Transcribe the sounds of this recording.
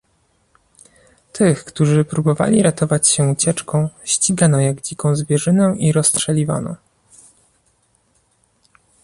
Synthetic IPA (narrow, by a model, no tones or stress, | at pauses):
t̪ʰɘxkt̪uʐɘpɾubɔva̰lʲiɾat̪ɔvat͡ɕɕɛut͡ɕɛt͡ʂkɔ̃w̃ɕt͡ɕiɡanɔjaɡd͡ʑikɔ̃w̃zvʲjɛʐɘnɛʔiɾɔstʂɛlʲiva̰nɔ̰